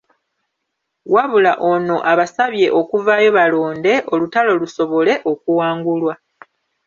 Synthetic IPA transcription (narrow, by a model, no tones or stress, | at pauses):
waβulaʔo̞no̞ʔaβasaβje̞ʔo̞kuvaːjo̞βalo̞ːnde̞ʔo̞lutalo̞luso̞βo̞le̞ʔo̞kuwaːŋɡulwa